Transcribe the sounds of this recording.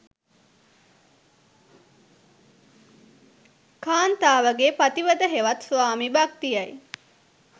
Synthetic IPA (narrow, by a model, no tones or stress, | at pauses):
kaːnt̪aːʋəɡepat̪iʋəd̪əɦeʋɐt̪saːmibak̚t̪ijaj